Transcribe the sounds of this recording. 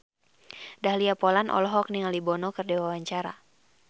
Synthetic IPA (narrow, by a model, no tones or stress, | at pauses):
dahliapɔlanʔɔ̰lɔɦɔk̚niŋaldibɔnɔkɨrdewawaɲt͡ʃaɾa̰